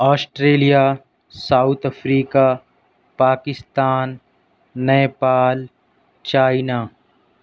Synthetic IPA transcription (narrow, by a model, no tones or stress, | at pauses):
ɔːsʈɾeːlija | saːut̪ʰɐfɾiːka | paːkɪst̪aːnː | ɛepaːl | t͡ʃaːɪnaː